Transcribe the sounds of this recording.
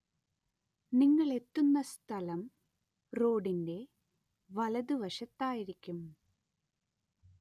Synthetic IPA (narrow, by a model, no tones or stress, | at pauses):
niŋːɐɭe̞t̪ːunːɐst̪ʰɐlɐm | ro̞ːɖinde̞ | ʋɐlɐðuʋɐʂɐt̪ːaːjiɾikʲːum